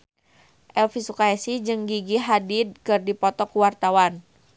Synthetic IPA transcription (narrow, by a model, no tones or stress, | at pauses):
ʔɛlfisukaɛsid͡ʒɨŋɡiɡiɦadid̪̚kɨrdipɔt̪ɔkuwart̪awan